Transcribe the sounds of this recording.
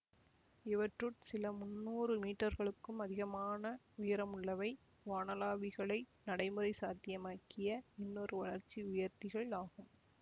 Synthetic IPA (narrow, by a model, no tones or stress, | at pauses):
ɪʋɐʈrɯʈsɪlɐmʊnːuːrɯmiːʈːɐɾɣɐɭɯkːɯmɐðɪɣɐmaːnɐ | ʊjɐɾɐmʊɭːɐʋɐɪ | ʋaːnɐlaːʋɪɣɐɭɐɪnɐɽɐɪmɯɾɐɪsaːt̪ɪjɐmaːkɪjɐɪnːɔɾɯʋɐɭɐɾt͡ʃːiʊjɐɾt̪ɪɣɐɭaːɣɯm